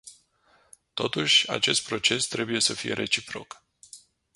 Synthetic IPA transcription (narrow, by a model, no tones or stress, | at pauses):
t̪o̞t̪uʃʲa̰t͡ʃe̞st̪̚pɾo̞t͡ʃe̞st̪ɾe̞buje̞səfije̞̰ɾʔe̞t͡ʃipɾo̞̰k